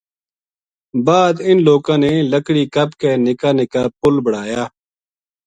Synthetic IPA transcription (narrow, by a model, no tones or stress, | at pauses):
baːd̪ɪnloːkãːneːləkɽiːkəbkeːnɪkaːnɪkaːpʊlbəɽaːjaː